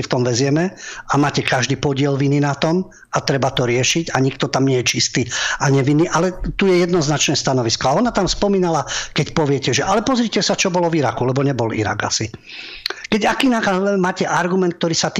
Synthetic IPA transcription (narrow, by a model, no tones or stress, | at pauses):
ft̪ɔmʋɛzɪɛmɛamaːcɛkaʒd̪iːpɔɟɪɛlʋininat̪ɔm | at̪ɾɛbat̪ɔɾɪɛʃiɟaɲikt̪ɔt̪amɲɛjɛt͡ʃist̪iaɲɛʋinːiʔalɛt̪ujɛjɛd̪nɔznat͡ʃnɛːst̪anɔʋiskɔaɔnat̪amspɔmiːnalakɛcpɔʋɪɛcɛʒɛʔalɛpɔzɾicɛsat͡ʃɔbɔlɔviɾakulɛbɔɲɛbɔlḭɾa̰ɡa̰si | kɛɟakiːnaːkazlɛmaːcɛʔaɾɡumɛnt̪k̚t̪ɔɾiːsat̪ː